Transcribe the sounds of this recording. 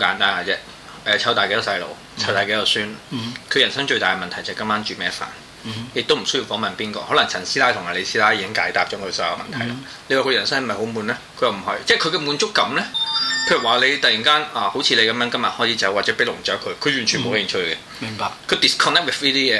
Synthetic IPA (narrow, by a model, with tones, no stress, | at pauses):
kaː˧˥nt̪aː˥naː˨˧˩t͡sɛː˥ | ɛː˨˩t͡sʰɐ˨˥wt̪aː˨ke˧˥jɐ˧˩sɐ˧jlo̰˨˩w | t͡sʰwt̪aː˨jke˨˥jɐ˨˧wsyː˥nkʰjɐ˨˩nsɐ˥ŋt͡ʃɵ˧ɥt̪aː˨jkmɐ˨nt̪ʰɐ˨˩jt͡sɐ˨kɐ˥maː˥nt͡ʃyː˨˩mɛː˥fa̰ː˨˩n | jɪ˨k̚t̪o˥wm̩˨˩sɵ˥ji˧wfɔː˨˥mɐ˨npiː˥nkɔ̰ː˧hɔ˨˥lɐ˨˩ŋt͡sʰɐ˨˩nsiː˥aː˥jtʰʊ˨ŋhaː˨˧le˨˧siː˥laː˥jiː˨˧kɪ˥ŋkaː˨˥jt̪aː˧p̚t͡ʃɔː˨˥kʰɵ˨˧sɔː˨˥jɐ̰˨˧mɐ̰˨˩nt̪ʰjlɐ˦ | le˧waː˨kʰɵ˧jɐ˨˩nsɐ˥ŋ˨˩mɐ˨˩ho˨˥wmuː˨˧nlɛ˥kʰɵ˨˧jɐ˨wm̩˨˩hɐ˨˧t͡sɛː˥˩kʰɵ˨˧ɥkɛ˧muː˨˧nt͡sʊ˥kːɐ˨˥mlɛ˥kʰɵ˧˥jɐ˨˩waː˨le˨˧jt̪ɐ˨ji˨˩ŋkaː˥naː˨˩ho˨˥wt͡sʰiː˧le˨˧kɐ˨˥mjœː˧˥ŋkɐ˥mjɐ˨hɔː˨˥t͡sʰiː˨˧t͡sɐ˨˥wa˨t̚t͡sɛː˨˥pe˥k̚lʊ˨˩ŋt͡ʃœː˨˥kʰɵ˨˧ɥkʰɵ˨˧ɥjyː˨˩nt͡ʃʰy˨˩mo˨˧wɐ˥ji˨˧nt͡ʃʰɵ˧kɛ˧ | m˨ŋpa˧kʰɵ˨˧ɥt̪i˨˩skʰɔ˨˧nɛ˥k̚wɪ˨˩fliː˥t̪iː˥jɛː˨˧